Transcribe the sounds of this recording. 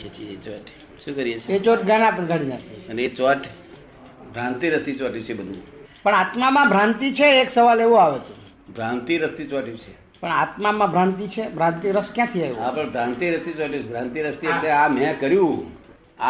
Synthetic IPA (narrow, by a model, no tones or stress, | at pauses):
et͡ʃʰiet͡ʃɔʈ | ʃũkəɾijet͡ʃʰeet͡ʃoʈɡanãpənɡʱaɽinat̪ʰiənet͡ʃɔʈ | bʱɾãnt̪iɾəst̪it͡ʃɔʈjũt͡ʃʰebəd̪ʱṵ̃pəɳat̪mamãbʱɾãnt̪it͡ʃʰeːksəʋaleʋũaʋet̪u | bʱɾãnt̪iɾəst̪it͡ʃaʈjũt͡ʃʰe | pəɳat̪mamãbʱɾãnt̪it͡ʃʰebʱɾãnt̪iɾəskjãt̪ʰiaeʋũɦãpəɳbʱɾãnt̪iɾəst̪it͡ʃɔʈjũt͡ʃʰebʱɾãnt̪iɾəst̪ieleamɛ̃kəɾjũ | a